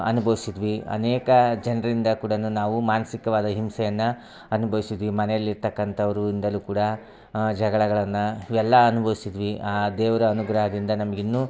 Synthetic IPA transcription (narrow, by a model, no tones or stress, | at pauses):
ɐ̰nubʱɐʋisid̪ʋiɐ̰neːkɐd͡ʒɐnɾɐɾind̪ɐkuːɽɐnunaːʋumaːnɐsikɐʋaːd̪ɐɦimsɛjɐnːɐ | ɐnubʱɐʋisid̪ʋimɐnɛjɐlːiɾt̪ɐkːɐnt̪ʰɐʋɐɾuind̪ɐlukuːɽɐ | d͡ʒɐɡɐɭɐɡɐɭɐnːɐiʋɛlːɐɐnubʱɐʋisid̪ʋiʔaːd̪eːʋɐɾɐːnuɡɾɐɦɐd̪ind̪ɐnɐmɐɡinːu